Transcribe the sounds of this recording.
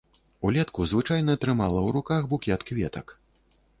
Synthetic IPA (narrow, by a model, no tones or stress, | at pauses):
ulʲɛt̪kuzvɨt͡ʂajnɐːt̪ɾɨmalˠɐwɾukaxbukʲɛɐt̪kvʲɛt̪ɐk